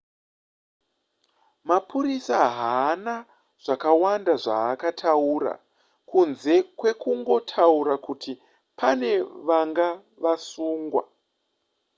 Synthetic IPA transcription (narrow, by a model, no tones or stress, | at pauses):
mapʰuɾisaɦana | ʐ̥akawandaʐaːkatʰauɾa̰ | kunze̞kwe̞kuŋɡo̞tʰauɾakutʰi | pʰane̞ʋaŋɡa | ʋasuːŋɡwa̰